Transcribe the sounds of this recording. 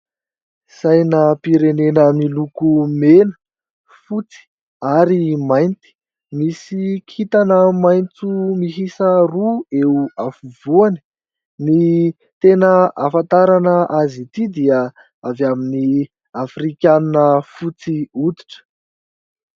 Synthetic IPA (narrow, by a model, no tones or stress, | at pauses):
sajnəpiɾenenəmilukumenə̥ | fut͡si̥ | aɾimajnt̪i̥ | misikʰit̪anəmajnt͡sumiɦisərueuafuvuanə̥ | ni | t̪enəafant̪aɾanəʔazit̪id̪iə | avamini | afrikʲaninəfut͡siud̪i̥ʈ͡ʂə̥